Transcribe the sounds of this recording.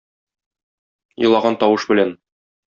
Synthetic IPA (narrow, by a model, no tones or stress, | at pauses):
jɤ̆lˠɑʁɑnt̪ɒwɤʃbɘ̆læn